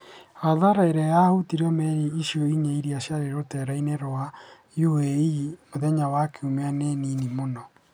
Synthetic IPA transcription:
aðaɾaeɾɛjaotiɾiɔmɛɾiiʃjoiɲeiɾiaɕjaɾeɾotɛɾaineɾoa | jueimoðɛɲawakʰeumeaneninimonɔ

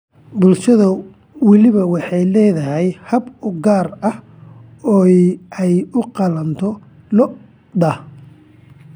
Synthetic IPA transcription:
bʊlʃɐðɐ | wɑlɪβɐwɑħɑjlɛːðɐɦɛjhɐbʊɡaːrɐh | ɔːɛjʊqɑlɐnt̪ʰɔ | lɔ | ɖɐh

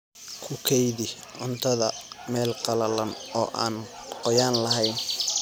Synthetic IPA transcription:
kʰʊkʰɛjðɪ | ʔʊnt̪ʰɐðɐmɛːlqɑlɐlɐnɔːʔaːnqɔjaːnlɐɦɛjn

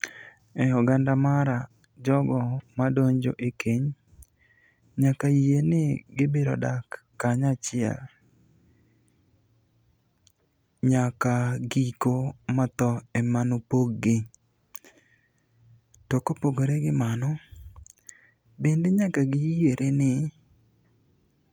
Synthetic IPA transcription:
ɛɔɡandamaɾa | d͡ʒɔɡɔmadoɲd͡ʒo̰ʔekʰeɲ | ɲakajienɪɡɪbeɾɔ̰dakː | aɲat͡ʃɪa̰ | ɲakaɡikomat̪ɔɛmanopoɡɡɪ | tɔkopoɡoɾeɡɪmanɔ | bendeɲakaɡɪjeɾʔenɪ

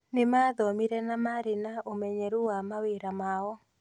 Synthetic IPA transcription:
nɪmaðɔmiɾɛnamaɾinaomɛɲɛɾuwamaweɾamawɔ

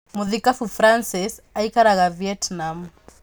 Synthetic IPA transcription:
muðikafufɾansisaikaɾaɣaviɛtnam

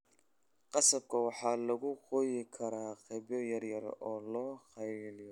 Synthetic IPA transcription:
qɑsɐb̚kʰɐwɑħɑːlɐɣʊqɔjɪkʰɐɾaːqɛbjɔjɐrjɐrɔːlɔːχɑjlɪjɔ

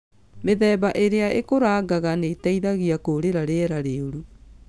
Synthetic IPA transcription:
meðɛːbaʔeɾeaʔekoɾaːɡaɣaneːtaiðaɣiakoɾeɾaɾeɛɾaɾeoɾu

